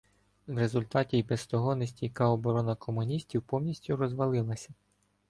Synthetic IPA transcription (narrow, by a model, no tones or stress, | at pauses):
wɾe̞zʊlʲt̪ɑtʲijbɛst̪ɔɦɔnesʲtʲijkɑɔbɔɾɔnɐkʰɔmʊnʲisʲtʲiwpɔwnʲisʲtʲʊɾɔzʋɐlˠɪlˠɐsʲɐ